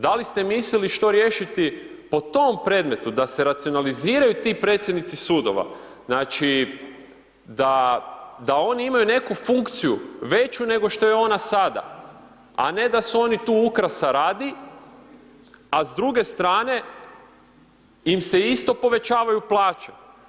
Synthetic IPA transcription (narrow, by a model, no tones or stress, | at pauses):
d̪alist̪e̞misliliʃt̪o̞ɾje̞ʃit̪i | po̞t̪o̞mpɾe̞ːd̪me̞t̪ud̪ase̞ɾat̪sio̞naliziːɾajut̪ipɾe̞t̪sje̞d̪nit̪sisuːd̪o̞̰ʋa̰ | znaːt͡ʃi | d̪a | d̪ao̞niimajune̞kufuŋkt̪sijṵʋe̞t͡ʃune̞ɡo̞ʃt̪o̞jeo̞nasad̪a̰ | a̰ne̞d̪asuo̞nit̪uːukɾasaɾaːd̪i | azd̪ɾuɡe̞st̪ɾaːne̞ | imse̞ist̪o̞po̞ʋe̞t͡ʃaːʋajuplˠaːt͡ʃe